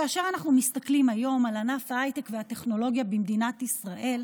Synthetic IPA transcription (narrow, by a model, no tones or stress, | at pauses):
kaaʃe̞ʁanaχnumist̪aklimajo̞malanafaajtekvehate̞χno̞lo̞ɡjabimd̪inat̪isʁaʔe̞l